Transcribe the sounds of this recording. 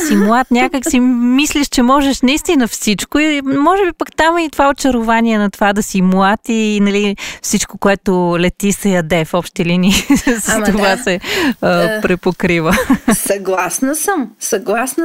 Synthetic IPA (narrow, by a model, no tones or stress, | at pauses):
simwat̪nʲakəksimisliʃt͡ʃɛmɔʒɛʃnɐist̪inəfsit͡ʃkʊimɔʒɛbipəkt̪amit̪ovaot͡ʃɐɾʊvaniɛnɐt̪ovad̪ɐsimuat̪inɐlifsit͡ʃkokoɛt̪ʊlɛt̪isɐjɐd̪ɛfɔpʃt̪iliniːsəst̪ovasɛəpɾɛpokɾivəsɐɡlˠasnəsəmsɐɡlˠasn